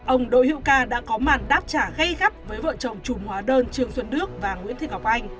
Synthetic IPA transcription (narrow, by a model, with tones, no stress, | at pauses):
ʔə˧wŋ͡mɗo̰˧˨hḭ˧˨wkaː˧ɗa̰ː˧˥kɔ˨˦maː˨˩nɗaː˦˥p̚t͡ɕaː˧˩ɣə˧jɣa˦˥p̚vəː˨˦jvə̰ː˧˨t͡ɕə˨˩wŋ͡mt͡ɕu˨˧˩ŋ͡mhwaː˨˦ɗəː˧nt͡ɕɨ˧əŋswə˧nːɨ˦˥ək̚vaː˨˩ŋwḭ˧˥ənt̪i˨˧˩k̚ha˨˩wk͡p̚ʔa˧jŋ̟